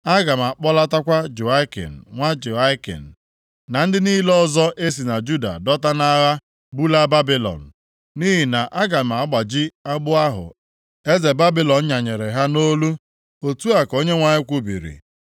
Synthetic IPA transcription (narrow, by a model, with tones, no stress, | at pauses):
a˦ɡa˨m̩˨a˨k͡pɔ˦la˦ta˦kʷa˦d͡ʒu˨a˦kḛ˨n̩˨ŋʷa˦d͡ʒu˨a˦kḛ˨n̩˨ | na˨n̩˦dɪ˦niː˦lɔ˦zɔ˦ʔe˦s̬i˨na˨d͡ʒu˦da̰˨dɔ˦ta˦na˦ɾa˦ | bu˦la˦ba˦bi˦lɔ̰˨n̩˨ | ni˦ɦi˨na˨ʔa˦ɡa˨m̩˨a˨˦ɡ͡ba˨d͡ʒi˦a˦ɡ͡bʊ˦a˦ɦʊ̰˨ | e˦ze˨ba˦bi˦lɔ˨n̩˦ɲa˨ɲe˨ɾe˨ɦa˦no˦lu˦ | o˨tu˦a˨ko˦ɲe˦ŋʷa˨ɲɪ˦kʷu˦bḭ˨ɾḭ˨